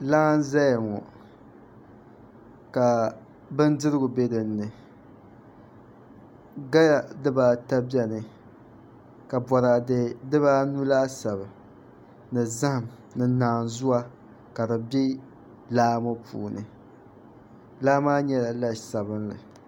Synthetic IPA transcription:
laː˦n˦za˦ja˨ŋɔ˨ | ka˨ | bɨ˦n˦dɨ˦ɾɨ˦ɡʊ˨be˦dɨ˨nːɨ˨ | ɡa˦ja˨dɨ˦baː˦ta˦bɛ˦nɨ˨ | ka˨bɔ˨ɾa˨dɨ˨dɨ˦βa˦nu˦la˦sa˨bɨ˨ | nɨ˨za˦hɨ˨m | nɨ˨naː˨nzu˦a˦ | ka˨dɨ˨bi˦ | laː˦mo˦pʰṵː˨nɨ̰˨ | laː˦maː˦ɲɛ˦la˨la˦˨sa˨bɨ˦nlɨ̰˨

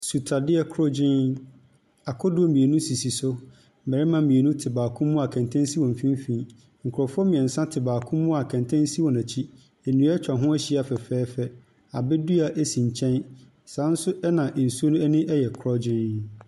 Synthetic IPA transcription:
su˨tʰa˨dɪ˦ɛ˨kʰɾɔ˦d͡ʑɪ̃˦n | a˨kʰɔ˦dʊ˦ɔ˦mĩ˨e˨nũ˦si˨si˨sʊ˦˨ | mɛ˨ɾɪ˦mã˨˦mĩ˨e˨nũ˦tʰɪ˨baː˨kʰʊ̃˦mː˦ũ˦a˨kʰɛ̃˨ntʰɛ̃˦n˦si˦wɔ̃˨m˨fĩ˦m˦fĩ˨˦ | ŋ̩˨kʰʊ˨ɾɔ˨fʊ˦ɔ˦mĩ˨ɛ̃˨n̩˨sã˦tʰɪ˨baː˨kʰʊ̃˦mː˦ũ˦a˨kʰɛ̃˨ntʰɛ̃˦n˦si˦wɔ̃˨næ̃˨t͡ɕʰi˦ | e˨nũ˨˦ɛ˦t͡ɕᶣã˨ɦʊ̃˦æ˦ɕi˦˨a˨fɛ˨fɛː˦fɛ˦ | a˨bɪ˦du˦a˨ʔɛ˦sĩ˨ɲ˨t͡ɕʰɛ̃˦n | sãː˨˦n̩˦sʊ˦ʔɛ˦nã˨ʔn̩˨su˦o˦nũ˦ɛ˦nɪ̃˦ʔɛ˦jɛ˨kʰɾɔ˦d͡ʑɪ̃˦n

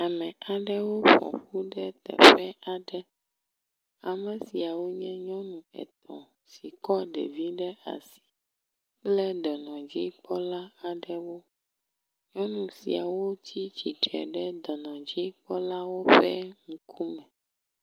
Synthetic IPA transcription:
a˨mɛ̃˨ʔa˨ɖɛ˦wo˦ɸɔ̰˨ɸu˦ɖɛ˦t̪ɛ̰˨ɸɛ˦ʔa˨ɖɛ˦ | a˨mɛ˨si˨a˨wo˦ɲɛ̃˦ɲɔ̃˦nũ˨ɛ̰˨t̪ʰɔ̰̃˨ | si˨kɔ˦ɖḛ˨vi˦ɖɛ˦a̰˨si̥˦ | plɛ˦d̪ɔ˨nɔ̃˨d͡ʑi˦k͡pɔ˦la˦a˨ɖɛ˨wo˦ | ɲɔ̃˦nũ˨sḭ˨a˨wo˦t̪ʰi˦t͡ɕi˨ɖɛ̰˨ɖɛ˦d̪ɔ˨nɔ̃˨d͡ʑi˦k͡pɔ˦la˦wo˦ɸɛ˦ŋu˦kʰu˦mɛ̃˨

